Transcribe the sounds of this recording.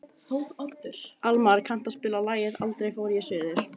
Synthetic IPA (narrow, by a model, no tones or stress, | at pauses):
θowɣat̪ːɪɾ̥almaɾkʰan̥t̪aðspɪːlalaːjɪðalt̪ɾejfaːwɾjɛsɛːðɪɾ̥